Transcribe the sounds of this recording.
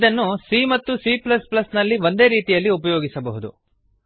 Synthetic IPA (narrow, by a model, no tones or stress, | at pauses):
d̪ɐnːusimɐt̪ːusiːplɐsplɐsnɐlːiʋo̞nd̪e̞ːɾiːt̪ijɐlːiupɐjo̞ːɡisɐbɐɦud̪ṵ